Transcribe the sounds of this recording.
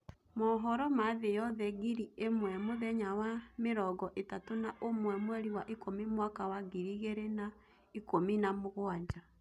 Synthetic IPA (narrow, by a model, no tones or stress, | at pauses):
mɔɦɔɾɔmaðejɔðɛɣiɾiemwɛmoðɛɲawameɾɔɡɔʔetatonaʔomwɛmwɛɾiwaʔikʰomimwakawaɣiɾiɣeɾena | ikominamoɣwaɲd͡ʒa